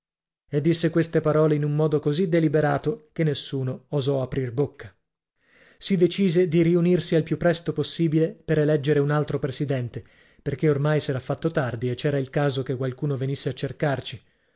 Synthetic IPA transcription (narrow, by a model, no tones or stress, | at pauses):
ed̪ːisːekwest̪epaɾɔːleinumːɔːd̪okozid̪elibeɾaːt̪okenːesːuːnoːzɔapɾirbokːa | sid̪et͡ʃiːzed̪iɾiunirsialpjupːɾɛst̪oposːiːbilepeɾelɛd͡ʒːeɾeunalt̪ɾopɾesid̪ɛnt̪e | perk̟eormajsɛːɾafːat̪ːot̪ard̪iet͡ʃːɛːɾailkaːzok̟ekwalkuːnovenisːeat͡ʃːerkart͡ʃi